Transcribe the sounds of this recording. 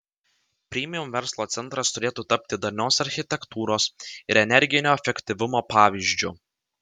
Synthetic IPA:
pʲɾʲiːmʲɪjʊmʋʲɛɾslˠoːt̪sʲɛnˑt̪ɾɐst̪ʊɾʲeːt̪uːt̪ɐpʲt̪ʲɪd̪ɐnʲoːsɐɾʲxʲɪt̪ʲɛkt̪uːɾoːsɪɾɛnʲɛɾʲɡʲɪnʲoːɛfʲɛkʲt̪ʲɪʋʲʊmoːpɑːʋʲiːʒʲd͡ʒʲʊ

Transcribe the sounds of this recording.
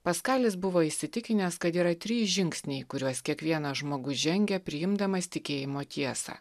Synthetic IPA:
pɐskɑːlʲɪsbʊʋoːɪʃʲsʲɪt̪ʲɪkʲɪnʲɛskɐt̪iːɾɐt̪ʲɾʲiːʒʲɪŋʲksʲnʲɛɪkʊɾʲuɔskʲiɛkʋʲiɛnɐʒmoːɡʊʒʲɛŋʲɡʲɛpʲɾʲɪjɪmd̪ɐmɐsʲt̪ʲɪkʲeːjɪmoːt̪ʲiɛsɑ̰ː

